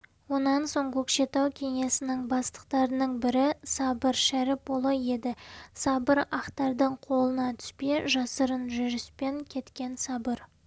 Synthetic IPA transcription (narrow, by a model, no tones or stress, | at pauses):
wo̞nɑnso̞ɴkʲʰɵkʃe̞t̪ɑwkʲʰe̞ŋe̞sɪnɪŋbɑst̪ə̥qt̪ɑɾənəɴbɪɾɪsɑbəɾʃæɾɪp̚bolˠəje̞d̪ɪsɑbəɾɑqt̪ɑɾd̪əɴqʰo̞lˠənɑt̪ʰʏ̥speʒɑsəɾənʒʏɾɪspe̞ŋkʲʰe̞t̪kʲe̞nsɑbəɾ